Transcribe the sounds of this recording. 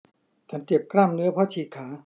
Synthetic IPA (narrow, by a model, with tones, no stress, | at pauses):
t͡ɕ̪ʰa˦nt̪i˨˩əp̚kɾaː˥˩mnɯ˦˥ɐpʰɔː˦˥˩t͡ɕʰiː˨˩kʰaː˩˦